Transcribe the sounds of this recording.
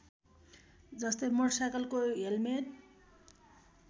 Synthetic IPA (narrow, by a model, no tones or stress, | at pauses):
d͡zʌst̪ʌjmʌrsakʌlkojelmen